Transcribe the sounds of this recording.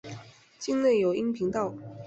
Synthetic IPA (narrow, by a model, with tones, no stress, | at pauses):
t͡ɕi˥˧ŋle˥˩ɪjo˨˩ʊi˥ŋpʰi˧˥ŋt̪ɑ˥˩ʊ